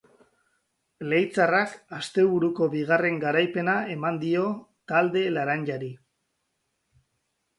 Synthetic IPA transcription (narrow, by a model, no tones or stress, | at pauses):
le̞jt͡sarakast̪e̞βuɾuko̞βiɣ̞are̞ŋɡaɾajpe̞nae̞mand̪io̞t̪ald̪e̞laɾanʎaɾi